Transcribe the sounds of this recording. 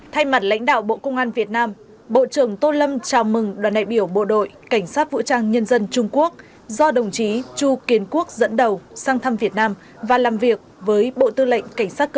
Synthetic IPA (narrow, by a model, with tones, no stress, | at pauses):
t̪ʰa˧jma˨˩t̚la̰˧˥jŋ̟ɗa̰ː˧˨wɓo̰˧˨kə˧wŋ͡mʔaː˧nvi˨˩ət̚naː˧m | ɓo̰˧˨t͡ɕɨ˨˧˩əŋt̪o˧lə˧mt͡ɕaː˨˩wmɨ˨˩ŋɗwaː˨˩nɗa̰ː˧˨jɓi˧˩əwɓo̰˧˨ɗo̰˧˨jka˧˩jŋ̟saː˦˥t̚vṵ˧˨t͡ɕaː˧ŋɲə˧nzə˧nt͡ɕʊ˧ŋ͡mku˦˥ək̚ | zɔ˧ɗə˨˩wŋ͡mt͡ɕi˨˦t͡ɕu˧ki˨˦ənku˦˥ək̚zə̰˧˥nɗə˨˩wsaː˧ŋt̪ʰə˧mvi˨˩ət̚naː˧m | vaː˨˩laː˨˩mvi˨˩ək̚vəː˨˦jɓo̰˧˨t̪ɨ˧lə̰˧˨ŋ̟ka˧˩ŋ̟saː˦˥t̚k